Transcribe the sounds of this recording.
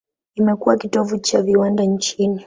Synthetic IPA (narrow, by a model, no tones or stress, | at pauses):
imɛkuwakitɔvut͡ʃaviwandaɲt͡ʃini